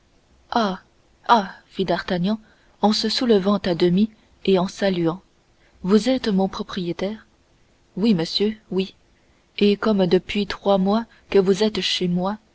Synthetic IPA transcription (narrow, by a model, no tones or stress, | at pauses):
a | afid̪aʁt̪aɲjɑ̃ | ɑ̃səsuləvɑ̃t̪ad̪əmi | eɑ̃salyɑ̃ | vuzɛt̪mɔ̃pχɔpχijet̪ɛːʁ | wiməsjøwi | ekɔmd̪əpɥit̪χwamwa | kəvuzɛt̪ʃemwa